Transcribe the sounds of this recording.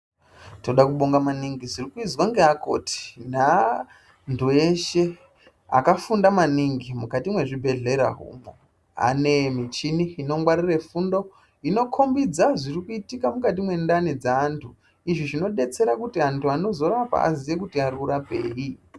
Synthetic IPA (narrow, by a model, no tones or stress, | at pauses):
to̞ɗakuɓo̞ŋɡamaniŋɡizirikuid͡zwaŋɡeako̞̰ti̥na | ntʰueʃe̞ | a̰kafundamaniŋɡimukatimwe̞ʐibʱe̞ɮe̞ɾa̰ɦṵmo | a̰ne̞mit͡ʃiniːno̞ŋɡwaɾire̞fundo̞ | ino̞kʰo̞mbid͡zaʐirikuitikamukat̬imwe̞ndanid͡zaːntʰu | iʐiʐino̞ɗe̞t͡se̞ɾakutiantʰuano̞zo̞ɾapa̰a̰ziʋek̬utiaɾiuɾapḛːji